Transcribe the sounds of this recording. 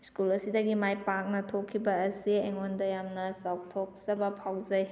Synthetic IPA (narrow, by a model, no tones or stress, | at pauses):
skulɐsidɐɡimajpak̚nɐtʰokʰːibɐːsieŋondɐjamnɐsaw̚tʰok̚sɐbɐpʰawzɐj